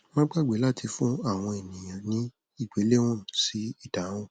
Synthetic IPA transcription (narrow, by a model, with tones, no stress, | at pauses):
mãː˦ɡ͡ba˦˨ɡ͡be˨˦la˦˨tʰi˧fũ˦a˦˨w̃ɔ̃˧e˨nĩ˨j̃ã˨nĩ˦ | i˦˨ɡ͡be˨˦le˦w̃ɔ̃˦˨m̩˨si˨˦i˦˨dã˨˦ɔ̃˦